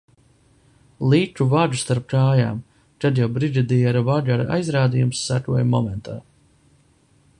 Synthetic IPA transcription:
lˠiːtuvaʒust̪aɾp̚kɾaːja̰ːm | tad̪jawbɾid̪id̪iɛɾvaʒuaɾa̰jzɾaːd̪ijumsːakuɔjmɔmɛnt̪ʰaː

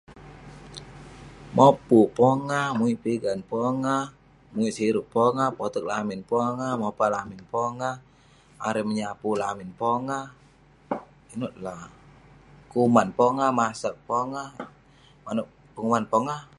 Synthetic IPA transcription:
mɔpupɔŋamuipiɡanpɔŋa | muisiɾuʔ̚pɔŋapɔt̪ɔk̚laminpɔŋamɔpalaminpɔŋa | a̰ɾɛməɲapulaminpɔŋa | inut̪̚la | kumanpɔŋamasak̚pɔŋa | manu | pəŋumanpɔŋa

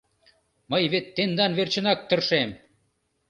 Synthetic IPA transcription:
məjβet̪ːend̪ɑnβert͡ɕə̆nɑk̚t̪ə̆rʃem

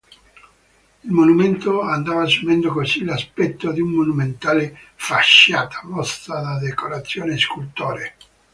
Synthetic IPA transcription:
ilmonument̪oand̪aːvasumɛnd̪okosilaspɛt̪ːod̪iumːonument̪aːlefaʃːaːt̪ʰḁmɔst̪ad̪ad̪ekoɾat̪sːjoːneskult̪oːɾe

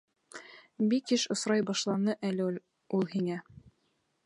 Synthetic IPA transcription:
bikɘʃŏsɾɑjbɑʃlˠɑnɤʔæl | ulˠhinæ

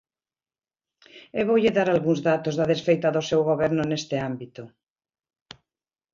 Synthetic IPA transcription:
eβowʎeðaɾalɣũŋzðat̪ozðaðesfejt̪aðosewɣoβɛɾnʊnest̪eambit̪o

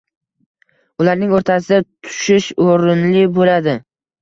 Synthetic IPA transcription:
ʊlaɾnɪŋoɾt̪ʰas̬ɪd̪at̪ʰʊ̥ʃɪʃoɾɪnlɪbolad̪ɪ

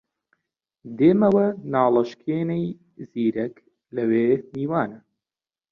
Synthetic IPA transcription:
d̪eːmɐwɐnaːlɨʃkʰeːnej | ziːɾɐk | lɐweːniːwaːnɐ

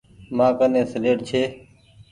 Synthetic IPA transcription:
mãːkənẽːsəleːʈt͡ʃʰeː

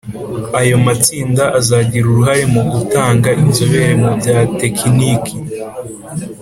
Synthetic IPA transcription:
ajo̞mat͡siːndaʔazaɟiɾuɾuɦaɾemuɡutaːŋɡainzoβe̞ɾemubjaːte̞kʰiniki

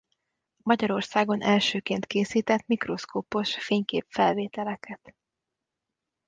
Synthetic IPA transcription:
mɒɟɒɾo̞rsaːɡo̞nʔɛlʃøːkeːnt̪keːsiːt̪ɛt̪mikro̞skoːpo̞ʃfeːɲkeːpfɛlveːt̪ɛlɛkʰɛt̪

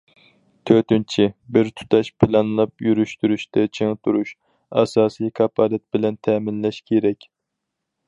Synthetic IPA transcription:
t̪ʰøt̪ynt͡ʃʰibɪɾt̪ʰu̥t̪ʰɑʃpʰɪlɑnlˠɑpjyɾyʃt̪yɾyʃt̪ɛt͡ʃʰeŋt̪ʰuɾuʃ | ɑsɑːsijkʰɑpʰɑlɛt̪̚bɪlɛnt̪ʰɛːmɪnlɛʃkʲʰeɾɛkʲ

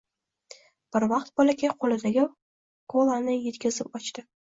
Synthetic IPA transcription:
b̥ɪɾvɑqt̪̚bɒlakʲʰaqʰolɪd̪aɡʲɪ | kʰolˠanɪje̞t̪kʲɪzɪpɒt͡ʃt̪ɪ

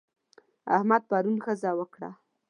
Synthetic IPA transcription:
a̰hmad̪̚paɾunxəzɑwəkɽa̰

